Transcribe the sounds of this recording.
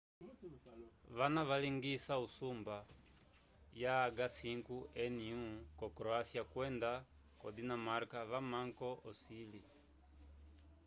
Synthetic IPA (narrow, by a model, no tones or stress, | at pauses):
vanaβaliŋɡisausumba | jaːɡasiŋkuɛniũkɔkɾɔasiakwɛnda | kɔdinamaɾkaβamaŋkɔɔsili